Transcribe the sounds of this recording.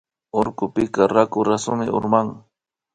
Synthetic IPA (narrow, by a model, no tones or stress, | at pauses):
oɾkʊpɪkaɾakʊɾasʊmɪʊ̰ɾmaŋ